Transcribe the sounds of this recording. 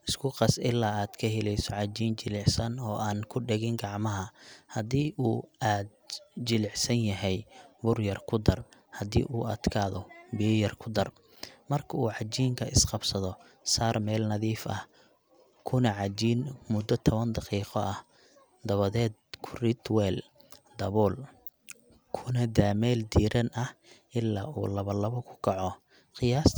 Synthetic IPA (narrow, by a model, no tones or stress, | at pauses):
ɪskʰʊqɑsɪlːaːaːd̪̥kʰɐɦɛlɛjsɔʕɑd͡ʒiːnt͡ʃɪlɪʕsɐnɔːʔaːnkʰʊɖɛɣɪŋɡɑʕmɐɦɐhɐd̪iːʔuːaːd̪̚t͡ʃɪlɪʕsɐnjɐɦɛjbʊrjɐrkʰʊd̪ɐrhɐd̪ḭːʔuːɐd̪̥kʰaːðɔbɪjɐjɐrkʰʊd̪ɐr | mɐrkʰɐuːʕɑd͡ʒiːŋkʰɐʔɪsqɑbsɐðɔ | saːrmɛːlnɐðiːfɐ̰h | kʰʊnɐʕɑd͡ʒiːnmʊd̪ɐt̪ʰɔβɐnd̪ɑqiːqɔʔɐh | d̪ɐβɐðɛːd̪kʰʊrɪt̪wɛːl | d̪ɐβɔːl | kʰʊnɐd̪aːmɛːld̪iːɾʔɐnʔɐhʔɪlːa̰ːʔṵːlɐβɐlɐβɔkʰʊ̥kʰɐʕɔ | qɪjaːs